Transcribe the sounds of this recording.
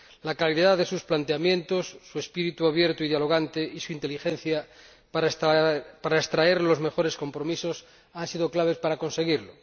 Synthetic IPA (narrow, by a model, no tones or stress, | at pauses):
lakaliðaððe̞susplant̪eamjẽ̞nt̪osːue̞spiɾit̪uaβjeɾt̪oiðjalo̞ɣ̞ant̪eisuint̪elixẽn̟θja | paɾaest̪ɾaeɾlo̞zme̞xo̞ɾe̞sko̞mpɾomisos | ansiðo̞klaβ̞espaɾako̞nse̞ɣ̞iɾlo